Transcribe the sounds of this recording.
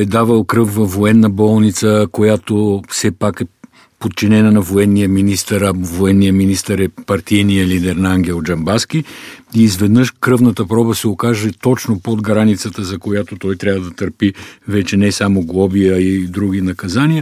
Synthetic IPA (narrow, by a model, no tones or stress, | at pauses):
ɛd̪avəlˠkɾɤfvɐfːoɛnːəbɔlˠnit̪səkojat̪ofsɛpakɛ | pot̪̚t͡ʃinɛnənɐvoɛnːijəminist̪əɾɐvoɛnːijəminist̪əɾɛpɐɾt̪ijnijəlid̪ɛɾnɐaŋɡʲɛlˠd͡ʒɐmbask̟iizvɛd̪nəʃkɾɤvnət̪əpɾɔbəsɛokaʒɛt̪ɔt͡ʃnopod̪ɡɾanit̪sət̪əzɐkojat̪ot̪ɔjt̪ɾʲavəd̪ɐt̪əɾpivɛt͡ʃɛnɛsamoɡlˠɔbijəid̪ɾuɡ̟inɐkɐzaniə